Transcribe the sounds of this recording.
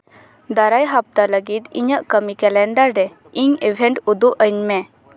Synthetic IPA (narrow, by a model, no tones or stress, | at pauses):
d̪aɾajɦap̚t̪aləɡit̪ḭɲəʔkəmikɛlɛ̃nɖaɾɖɛ | iŋiʋʱɛ̃ɳʈud̪uʔəjɲmɛ